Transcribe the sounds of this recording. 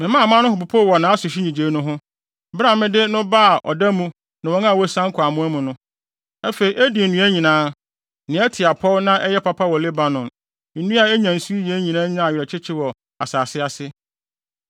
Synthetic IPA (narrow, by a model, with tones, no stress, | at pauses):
mɪ̃˨mã˦˨mã˦nʊ̃˦hʊ˨p̬ʊ˨pʰo˦˨wɔ˨nã˨˦a˦sʊ˨ɕᶣi˦ɲĩ˨d͡ʑeː˨˦nʊ̃˦ɦʊ̃˦ | bɾa˨mɪ̃˦dɪ˦nʊ̃˦ba˦a˨ʔɔ̰˨da˦mũ˦ | nã˨wɔ̃˦nã˦˨wɔ˦sã˦ŋ˦kʰa˨mʊ̃˦a˦mʊ̃˨nʊ̃˦ | ɛ˦fe˨i˨ʔæ˦di˨e˨nũ˦æ˦ɲĩ˨nãː˨˦ | nɪ̃˨˦ɛ˦tʰɪ˨a˨pʰɔ˦lnã˦ʔɛ˦jɛ˦pʰa˦pʰa˦wɔ˨le˦ba˨nɔ̃˨n̩˨ | nũ˦a˨ɛ˦ɲã˨n̩˨su˦i˦jɛ˨˦ɲĩ˨nãː˦ɲã˦˨ɥɾɛ˨t͡ɕʰɪ˦t͡ɕʰɪ˦wɔ˨ | a˨saː˨sɪ˦a˨sɪ˦